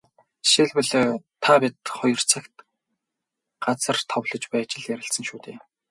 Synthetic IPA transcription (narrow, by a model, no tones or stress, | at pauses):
ʃeɮwɘ̆ɮt̪ʰːapʲit̪χɔjɞ̆r̥t͡sʰăkt̪ | ɢ̥at͡sə̆rt̪ʰɔwɮɞ̆t͡ɕpæːt͡ɕɪ̆ɮjæɾʲɪ̆ɬsə̆ŋʃuːt̪ʰeː